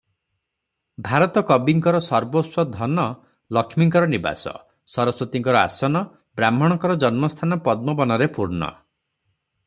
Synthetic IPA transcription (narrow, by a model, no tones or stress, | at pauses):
bʱaɾɔt̪ɔkɔbiŋkɔɾɔsɔɾboswɔd̪ʱɔnɔ | lɔkʰmiŋkɔɾɔniba̰sɔ̰ | sɔɾɔswɔt̪iŋkɔɾɔa̰sɔnɔ | bɾam̤ɔɽ̃ɔŋkɔɾɔd͡ʒɔnmɔst̪ʰanɔpɔd̪̚mɔbɔnɔɾepuɾnɔ̰